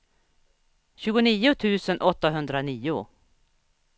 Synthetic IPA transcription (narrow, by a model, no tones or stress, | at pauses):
ɕʉːɡʊniːʊt̪ʰʉ̟ːsənʔɔt̪ːaɦɵnd̪ɾaniːʊ